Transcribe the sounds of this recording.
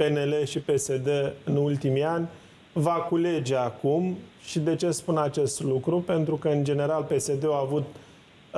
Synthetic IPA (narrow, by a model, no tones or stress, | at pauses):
pe̞ne̞le̞ʃipe̞se̞d̪eɨnult̪imianʲ | vakule̞d͡ʒe̞akumʃid̪e̞t͡ʃe̞spunat͡ʃe̞st̪lukɾupe̞nt̪ɾukəɨnd͡ʒe̞ne̞ɾalpe̞se̞d̪e̞oavut̪